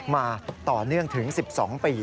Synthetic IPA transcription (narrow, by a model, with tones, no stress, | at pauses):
maː˧t̪ɔː˨˩nɯ˥˩əŋt̪ʰɯ˩˦ŋsi˨˩p̚sɔː˩˦ŋpiː˧